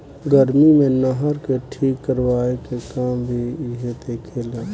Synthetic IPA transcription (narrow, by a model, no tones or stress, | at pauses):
ɡəɾmimẽnəɦəɾkeʈʰiːkːəɾwaːekekaːmbʱiɦet̪ekʰeːlaː